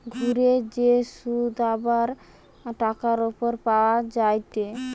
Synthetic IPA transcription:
ɡʱuɾed͡ʑeʃud̪abaɾ | ʈakaɾopoɾpaoad͡ʑajt̪e

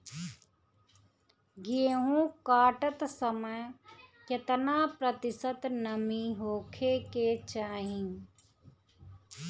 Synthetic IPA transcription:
ɡieɦũːkaːʈət̪səməjkjet̪ənaːpɾət̪ɪsət̪nəmiɦoːkʰeket͡ʃaːɦĩ

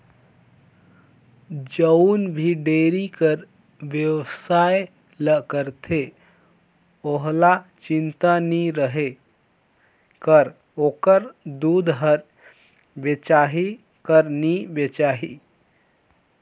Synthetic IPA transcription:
d͡ʒəʊnbʱiɖeɾikəɾ | ʋjəwsae | ləkəɾt̪ʰe | oɦlat͡ʃint̪aniɾəɦe | kəɾ | okəɾd̪ud̪ɦəɾ | bet͡ʃaɦi | kəɾnibet͡ʃaɦi

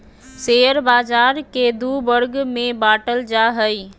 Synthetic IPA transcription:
seəɾbaːd͡ʒaɾked̪ubəɾɡmẽbaːʈəld͡ʒaɦəi

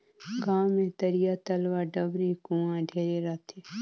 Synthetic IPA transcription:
ɡaːwmẽt̪əɾijat̪əlʋaɖəbɾikũãɖʱeːɾeɾɐt̪ʰe

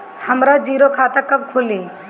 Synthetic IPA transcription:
həmɾad͡ʒiːɾokʰaːt̪əkːəb̚kʰʊliː

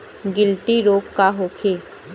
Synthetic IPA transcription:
ɡɪlt̪iɾoːkkaɦoːkʰeː

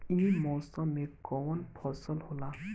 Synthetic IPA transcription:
imɔsɔmekɔwɔnpʰɔsɔlhola

